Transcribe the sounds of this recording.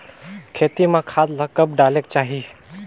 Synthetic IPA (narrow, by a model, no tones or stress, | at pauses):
kʰet̪imẽkʰad̪ləkəpɖalekt͡ʃaɦi